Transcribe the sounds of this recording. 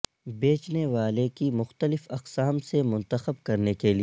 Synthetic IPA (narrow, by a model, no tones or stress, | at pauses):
beːt͡ʃneʋaːlekimʊxt̪əlɪfɐqsaːmsemʊ̃nt̪əxəb̚kɐɾnekelie